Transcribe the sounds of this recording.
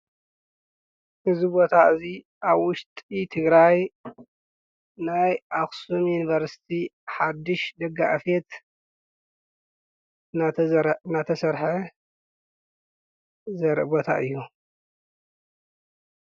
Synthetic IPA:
ʔɨzibo̞t̪ʰaʔɨzi | ʔaβwʊʃt̪ʼit̪ʰɨɡɾaj | najʔaxsumjunivɐɾsi̥t̪ʰiħad̪ːɨʃd̪ɐɡa̰ʔfet̪ | nanat̪ʰɐsɐɾħeɐ | zɐɾʔbot̪ʰa̰ʔɨjːu

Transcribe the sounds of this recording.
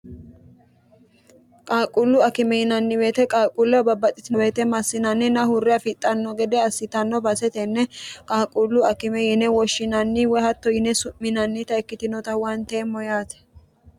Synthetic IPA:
kʼaːkʼʊlːʊɐkɪmɛjɪnɐnːɪwe̞ːt̪ɛkʼaːkʼʊlːɛbɐbːɐt̪ʼːɪt̪ɪbe̞ːt̪ɛmɐsːɪnɐnːɪnɐhʊrːɛɐfɪt̪ʼːɐnːɔɡɛd̪ɛɐsːɪt̪ɐnːɔbɐsɛt̪ɛnːɛkʼaːkʼʊlːʊɐkɪmɛjɪnɛwɔʃːɪnɐnːɪwɛhɐt̪ːɔjɪnɛsʊmmɪnɐnːɪt̪ɐɛkːɪt̪ɪnɔt̪ɐwɐnt̪eːmːɔjaːt̪ɛ̥

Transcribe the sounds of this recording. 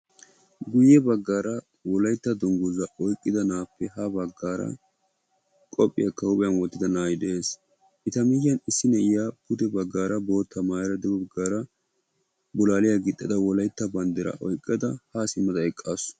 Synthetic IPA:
ɡʊjːɛbɐɡːaːɾɐ | wɔlɐjt̪ːɐd̪ɔŋɡʊzɐʔɔjkʼːɪd̪ɐnaːpːɛhɐbɐɡːaːɾɐ̰ | kʼɔpʼːɪ̰jɐkɐwʊpʼɪjɐnwɔt̪ːɪd̪ɐnaːjɪd̪eːs | ʔɪt̪ɐmɪjːɐnɪsːɪnɛɪjapʊd̪ɛbɐɡːaːɾɐbo̞ːt̪ːɐmaːjɾɐd̪ɛbɔɐɡaːɾɐ | bʊlaːlɪjaɡɪt̪ʼːɪd̪ɐwɔlɐjt̪ːɐbɐnd̪ɛɾɐ̰ʔɔ̰jkʼːɐd̪ɐhasɪmːɐd̪ɐɛkʼːas

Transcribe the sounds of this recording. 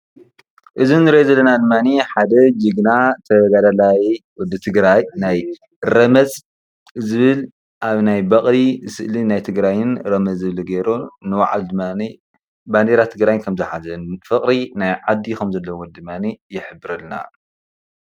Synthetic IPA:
ʔɨzinːɨɾiʔozɐlːɐnad̪ɨmːaniħad̪ɐd͡ʒɨɡnat̪ʰɐɡad̪alajwɔd̪ːɨt̪ʰɨɡɾajnaj | ɾɐmɐz | zɨβɨl | ʔaβnajbɐχʼlisɨʔlinajt̪ʰɨɡɾajɪnɾɐmɐzɨβlɨɡejɾonɨwa̰ʕa̰ld̪mani | band̪eɾat̪ʰɨɡɾajnkʰɐmzɨħazɐnfɨkʼɾinajʕad̪ːikɐmzɐlːɐwowɔd̪ɨmːanijɪħɨbɨɾɨlna̰

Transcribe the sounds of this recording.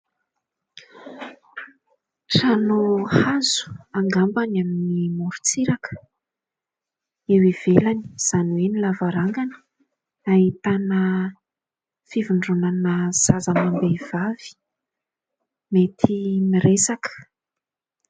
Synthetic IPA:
ʈ͡ʂranohazu̥aŋɡambanaminnimuɾut͡siɾakə̥ | ewiv̥elani̥z̥anwenilavaɾaŋɡanə̥ | ait̪anə | fivuɳɖ͡ʐunanəz̥azamambev̥avi̥ | met̪ʰimiɾesakə̥

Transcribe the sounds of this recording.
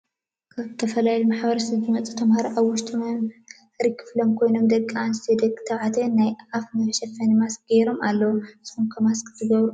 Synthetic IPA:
kʰaβɨt̪ʰɐfɐlajlumaħbɐɾɐsɐzɨmɐt͡sʼut̪ʰɐmhaɾiʔaβwʊʃt̪ʰʼɨm | ɾikʰːɨ̥flomkʰojno̞md̪ɐkʼːianst̪ʰed̪ɐkʼt̪ʰɐβʕat̪ʰɐnajafnɐfɐʃɛfɐnɨmasɡ̥eɾo̞mʔalːɐwusɨxumkʰɐmaskʰʼzɨɡɐβɾu

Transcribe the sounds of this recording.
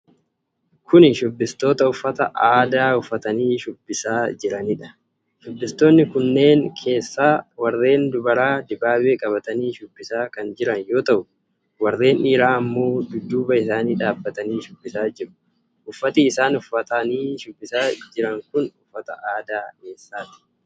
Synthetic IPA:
kʰʊnʃʊbːɪst̪o̞ːt̪ɐʊfːɐt̪ɐʔaːd̪aːʊfːɐt̪ɐniːʃʊbːɪsaːd͡ʒɪɾɐnɪᶑɐ̥ | ʃʊbːɪst̪o̞ːnːɪkʊnːe̞ːŋkʰe̞ːsːaːwɐɾe̞ːnd̪ʊbɐɾaːd̪ɪbaːbeːkʼɐβɐt̪ɐniːʃʊbːɪsaːkɐnd͡ʒɪɾɐnjo̞ːt̪ɐʔʊ | wɐɾe̞ːniːɾaːɐmːo̞ːd̪ʊd̪ːuːbɐɪsaːniːᶑaːbːɐt̪ɐniːʃʊbːɪsaːd͡ʒɪɾʊ̥ | ʔʊfːɐt̪iːsaːnʊfɐt̪ɐniːʃʊbːɪsaːd͡ʒɪɾɐŋkʊnʊfːɐt̪ɐ̰ʔaːd̪aːke̞ːsːaːt̪ɪ̥

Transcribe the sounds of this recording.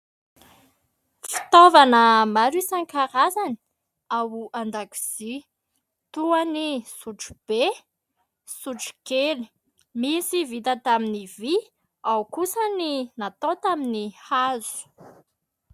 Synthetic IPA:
ffi̥t̪ovanəmaɾisaŋkaɾazani̥ | awuand̪aku̥z̥i | t̪uanisuʈ͡ʂu̥b̥e | suʈ͡ʂu̥keli̥ | misivit̪ət̪aminivi | awkusəninat̪ot̪aminihazu̥

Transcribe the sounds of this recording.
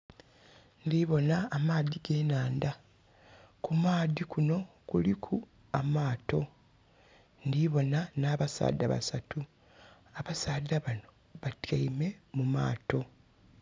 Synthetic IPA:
ndiβo̞naːmaːðiɡe̞ːnaːnda | kumaːðikuno̞ | kulikʰu | amaːto̞ | ndiβo̞nanaːβasa̰ːda̰βa̰satu | aβasaːdaβano̞ | βatjaime̞muma̰ːto̞

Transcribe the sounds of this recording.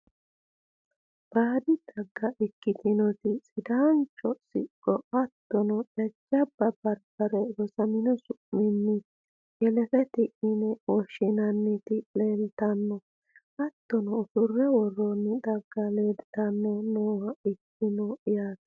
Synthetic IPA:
b̥aːd̪ɪd̪̥ɐɡːɐʔɪkːɪt̪ɪnɔt̪ɪsʼɪd̪aːnt͡ʃːɔsɪ̰kʼːɔʔɐt̪ːɔnɔɛd͡ʒːɐbɐbɐɾbɐɾɛwɔsɐmɪnɔsʊʔːɪnːɪ | jɛlɛt̪ɛt̪ɪʔɪnɛwɔʃɪnɐnːɪt̪ɪleːlt̪ɐnːɔ | ɐt̪ːɔnɔːsʊrːɛwɔrːɔnːɪd̪ɐɡːɐleːd̪ɪt̪ɐnːɔnoːwɐɪkːɪnɔɪjaːt̪

